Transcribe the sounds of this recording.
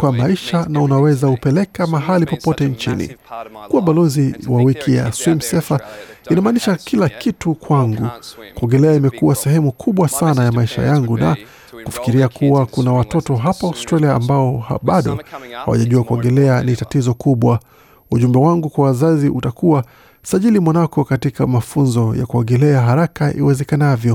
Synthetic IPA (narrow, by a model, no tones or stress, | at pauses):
kwamaiʃanaunawɛzaupɛlɛkamaɦalipɔpɔtɛnt͡ʃinḭkuwaɓalɔziwawikʰija̰swim̩sɛfainamaːniʃakilakitukwaŋɡukuɔŋɡɛlɛaimɛkuasɛɦɛmukʰuɓwasanajamaiʃa̰jaŋɡuna̰ | kufi̥kiɾiakuwakunawatɔtɔɦapaaustɾaliaːmbaɔhaɓaɗɔ̰ha̰wa̰ʄaʄuakuɔŋɡɛlɛanitatizɔkuɓwa | uʄumbɛwaŋɡukwawazaziʔutakuwa | saʄilimwanakɔkatikamafunzɔja̰kuɔɡɛlɛaɦaɾakaʔḭwɛzɛkanavjɔ